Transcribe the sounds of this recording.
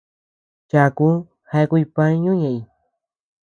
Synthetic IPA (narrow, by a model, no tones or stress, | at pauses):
t͡ʃakʊ | hajkʊjpaɲʊɲaj